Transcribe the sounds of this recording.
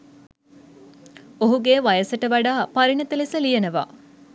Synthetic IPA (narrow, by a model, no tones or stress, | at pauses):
oɦuɡeːʋajəsəʈəʋaɖaːpaɾinɐt̪əlisəlijenəʋa̰